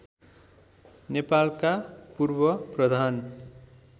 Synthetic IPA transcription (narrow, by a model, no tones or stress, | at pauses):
nepalkapurbʌprʌd̪ʱan